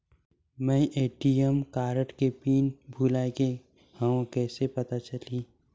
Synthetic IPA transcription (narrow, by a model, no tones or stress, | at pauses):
mɛ̃ːʔeːʈijəmkaːɾəʈkepiːnbʱuːlaːeke | hə̃õkɛːsepɐt̪at͡ʃəliː